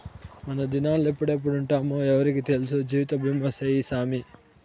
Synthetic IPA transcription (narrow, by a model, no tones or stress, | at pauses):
mɐnɐd̪inaːlepːuɽep̬ːuɽuɳʈaːmuɛʋɐɾikit̪e̞lus̬ud͡ʒiːʋit̪ɐbʱimʱɐsejisaːmi